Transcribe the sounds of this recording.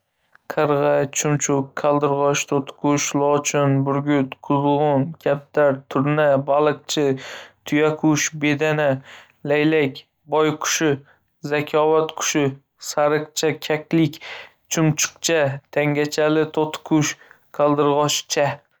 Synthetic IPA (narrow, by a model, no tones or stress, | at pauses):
qʰɨɾʁɑt͡ʃʰʊmt͡ʃʰʊkkʰːalˠd̪ɨɾʁɒʃt̪ʰot̪qʰʊʃlˠɒt͡ʃʰɪnbʊɾɡʲʊt̪qʰʊzʁʊnkʲʰap̚t̪aɾt̪ʰʊɾnabalˠɨq̚t͡ʃʰɪt̪ʰʊjakʰʊʃbed̪ana | lajlakʲ | bɒjqʰʊ̥ʃɪ | zakʲʰɒvat̪qʰʊ̥ʃɪ | saɾɨqt͡ʃʰakʲʰakʲlɪkʲ | t͡ʃʰʊmt͡ʃʰɨ̥qt͡ʃʰat̪ʰaŋɡʲat͡ʃʰalɪt̪ʰot̪qʰʊʃ | kʲʰalˠd̪ɨɾʁɒʃt͡ʃʰa